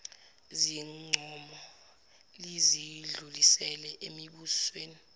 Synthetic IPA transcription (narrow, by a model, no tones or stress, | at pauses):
ziŋ͡ǀʱɔmɔ | liziɮulisɛlɛʔemiɓusweːni